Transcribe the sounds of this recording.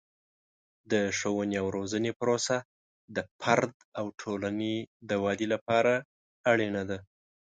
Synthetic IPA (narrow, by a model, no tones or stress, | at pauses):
d̪əʃowəneawɾozənepəɾosa | d̪əpʰaɾd̪ | awʈʰolaned̪əwɑd̪ilapɑɾaː | ɽenad̪a